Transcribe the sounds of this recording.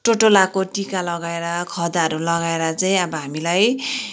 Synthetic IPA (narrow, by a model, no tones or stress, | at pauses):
ʈoʈolakoʈikalʌɡaeɾʌkʰʌd̪aʌɾulʌɡaeɾʌt͡saĩʌbʌɦamilaj